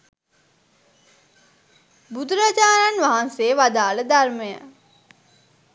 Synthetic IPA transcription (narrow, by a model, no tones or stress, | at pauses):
bud̪uɾad͡ʒaːɾanʋaɦanseːʋad̪aːləd̪arməjə̰